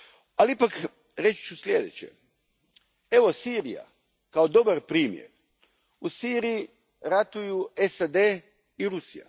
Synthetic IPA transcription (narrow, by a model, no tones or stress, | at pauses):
aliipak | ɾet͡ʃt͡ʃuslʲje̞d̪ḛt͡ɕḛ | e̞ʋo̞siːɾija̰ | kaod̪o̞baɾpɾiːmjḛɾ | usiːɾiji | ɾat̪ujuesad̪eː | iɾusija̰